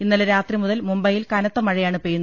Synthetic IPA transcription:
inːɐlɐɾaːt̪rimuðɐlmumbɐjilkɐnɐt̪ːɐmɐɻɐjaːɳɨpeːjunː

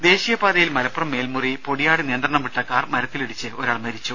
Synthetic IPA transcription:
d̪e̞ːɕijɐpaːd̪ɐjilmɐlɐpːurɐmːe̞ːlmuripo̞ɽijaːɽɨnijɐnd̪ɾɐɳɐmpiʈːɐkːaːrmɐɾɐt̪ːiliɽit͡ɕːɨo̞ɾaːɭmɐɾit͡ɕːu

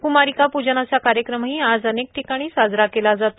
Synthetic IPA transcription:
kumaɾikapud͡ʑanasakaɾjəkɾəmɦiːad͡zənek̚ʈʰikaɽ̃iːsad͡zɾakelad͡zat̪o

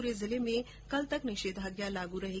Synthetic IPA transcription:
ɾezɪlemẽ | kɐlt̪əknɪʃeːd̪ʱaɡjalaɡuɾɐɦe

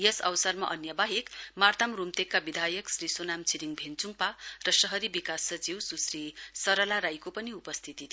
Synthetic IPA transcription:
jʌsʌ̰wsarmaʔʌnjʌbaɦikmart̪amrumt̪ekːabid̪ʱajʌksrisonamt͡sʰiɾiŋbʱent͡suŋparʌsʌɦʌɾibikasːʌt͡siwsusrisʌɾʌlaɾajkopʌniupʌst̪ʰit̪it̪

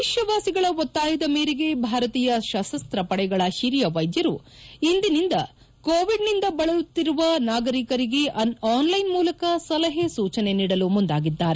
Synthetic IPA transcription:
iʃjɐʋaːsiɡɐɭɐɔt̪ːaːjɐd̪ɐmeːɾiɡe̞bʱaːɾɐt̪iːjɐʃɐsɐst̪ɾɐpɐɽɛɡɐɭɐhiɾjɐʋɐjd̪jɐɾu | ind̪inind̪ɐ | koːʋiɖnind̪ɐbɐɭɐjut̪ːiɾuʋɐnaːɡɐɾikɐɾiɡe̞ʔɐaːnlɐjnmuːlɐkɐsɐlɐɦesuːt͡ʃɐne̞niːɽɐlumund̪aːɡid̪ːaːɾe

